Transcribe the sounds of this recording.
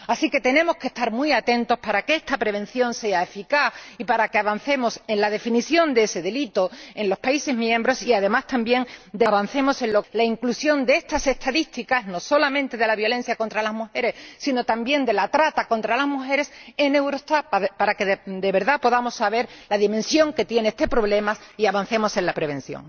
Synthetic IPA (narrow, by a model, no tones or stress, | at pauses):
asike̞t̪e̞nẽ̞mo̞ske̞st̪aɾmwuiat̪ẽ̞nt̪o̞spaɾakeest̪apɾe̞β̞ẽ̞nθjõ̞nse̞aefikaθipaɾakeaβan̟θe̞mo̞sẽ̞nlað̞e̞finiθjo̞nd̪e̞se̞ðe̞lit̪o̞ẽ̞nlo̞spaise̞zmjẽ̞mbɾo̞siaðe̞mast̪ambje̞ŋd̪eβan̟θe̞mo̞sẽ̞nlo̞laiŋklusjo̞nd̪eest̪ase̞st̪aðist̪ikazno̞so̞lamẽ̞nt̪e̞ðe̞laβjo̞le̞n̟θjako̞nt̪ɾalazmuxe̞ɾe̞ssːino̞t̪ambje̞nd̪e̞lat̪ɾat̪ako̞nt̪ɾalazmuxe̞ɾe̞se̞ne̞wɾo̞st̪appaɾake̞ðd̪e̞βe̞ɾðapo̞ðamo̞sːaβ̞e̞ɾlaðimẽ̞nsjõ̞ŋke̞t̪je̞neest̪e̞pɾo̞βle̞masiaβan̟θe̞mo̞se̞nlapɾe̞β̞e̞n̟θjo̰ŋ